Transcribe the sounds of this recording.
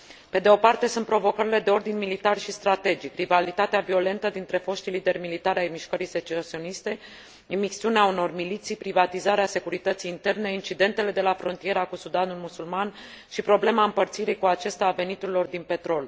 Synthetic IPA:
pe̞d̪e̞o̞part̪e̞sunt̪̚pɾo̞vo̞kəɾile̞d̪e̞o̞rd̪inmilit̪arʃist̪ɾat̪e̞d͡ʒikrivalit̪at̪eavio̞le̞nt̪əd̪int̪ɾe̞fo̞ʃt̪ilid̪e̞rmilit̪aɾajmiʃkəɾiset͡ʃosio̞nist̪e̞ | imiksiuneauno̞rmilit̪sijpɾivat̪izaɾease̞kuɾit̪ət̪sijːnt̪e̞rne̞int͡ʃid̪e̞nt̪e̞le̞d̪e̞lafɾo̞nt̪ije̞ɾakusud̪anulmusulman | ʃipɾo̞ble̞maɨmpərt̪siɾejkuat͡ʃe̞st̪eave̞nit̪uɾilo̞rd̪inpe̞t̪ɾo̞l

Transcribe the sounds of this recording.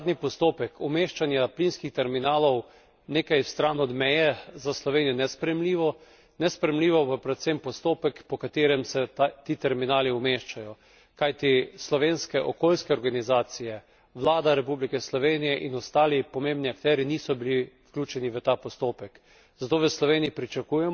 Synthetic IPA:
d̪nipɔst̪oːpɛkʰumeːʃt͡ʃanjaplinskixt̪ɛɾminaːlɔw | neːkajst̪ɾaːnɔd̪mɛjɛzaslɔʋeːnijɔnɛspɾɛjɛmliːʋɔ | nɛspɾɛjɛmliːʋɔpapɾɛt̪sɛmpɔst̪oːpɛkpɔkat̪eːɾɛmsɛt̪iːt̪ɛɾminaːliumeːʃt͡ʃajɔ | kajt̪islɔʋenskɛʔɔkolskɛɔɾɡanizaːt̪sijɛ | ʋlaːd̪aɾɛpublikɛslɔʋeːnijɛʔinɔst̪aːlipɔmembniakt̪ɛɾiniːsɔbilifklʲuːt͡ʃɛniʋət̪apɔst̪oːpɛk | zat̪oːʋəslɔʋeniipɾit͡ʃakuːjɛm

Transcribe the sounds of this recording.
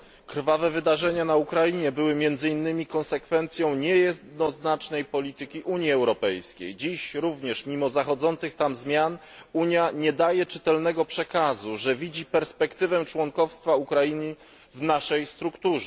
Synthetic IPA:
kɾvavɛvɘd̪aʐɛɲanaukɾajiɲɛbɘwɘmʲjɛnd̪zɘinːɘmʲikɔ̃nsɛkfɛnt̪sʲjɔ̃w̃ɲɛjɛd̪nɔznat͡ʂnɛjpɔlʲit̪ɘkʲiʔuɲjiɛwɾɔpɛjskʲḛjd͡ʑiɕɾuvɲɛʂmʲimɔzaxɔd̪zɔnt̪sɘxt̪amzmʲjan | uɲjaɲɛd̪ajɛt͡ʂɘt̪ɛlnɛɡɔpʂɛkazuʐɛvʲid͡ʑipɛɾspɛkt̪ɘvɛt͡ʂwɔŋkɔfst̪faukɾajiɲə | vnaʂɛjst̪ɾukt̪uʐɛ

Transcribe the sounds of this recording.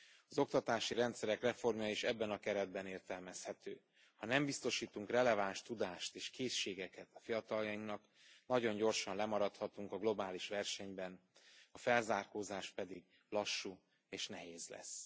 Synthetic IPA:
ɒzo̞kt̪ɒt̪aːʃiɾɛnt̪sɛɾɛkrɛfo̞rmjɒiʃɛbːɛnɒkɛɾɛd̪̚bɛneːrt̪ɛlmɛshɛt̪øː | hɒnɛmbist̪o̞ʃiːt̪uŋkrɛlɛvaːnʃt̪ud̪aːʃt̪eːʃkeːʃːeːɡɛkɛt̪ɒ̥fijɒt̪ɒljɒiŋknɒk | nɒɟo̞ɲɟo̞rʃɒnlɛmɒɾɒt̪hɒt̪uŋkɒɡlo̞baːliʃʋɛrʃɛɲbɛn | ɒfɛlzaːrkoːzaːʃpɛd̪iɡ | lɒʃːuː | eːʃnɛɦeːzlɛ̰s

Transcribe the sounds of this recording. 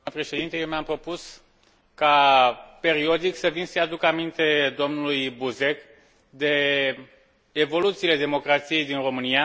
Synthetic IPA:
əpɾe̞ʃe̞d̪int̪əjewmeampɾo̞pus | kape̞ɾio̞d̪iksəvinsəjad̪ukəamint̪e̞d̪o̞mnulujbuze̞k | d̪e̞ | vo̞lut̪siːle̞d̪e̞mo̞kɾat̪sije̞jd̪inro̞mɨnia

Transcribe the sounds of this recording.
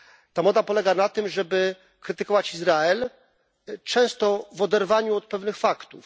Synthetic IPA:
t̪amɔd̪apɔlɛɡanat̪ɘmʐɛbɘ | kɾɘt̪ɘkɔvat͡ɕizɾaɛl | t͡ʂɛ̃w̃st̪ɔvɔd̪ɛɾvaɲuɔt̪̚pɛvnɘxfakt̪uf

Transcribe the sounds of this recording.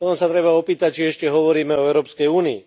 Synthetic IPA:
ɔt̪ɔmsat̪ɾɛbaɔpiːt̪ac̚t͡ʃiɛʃcɛɦɔʋɔɾiːmɛɔɛʊɾɔːpskɛjuːniḭ

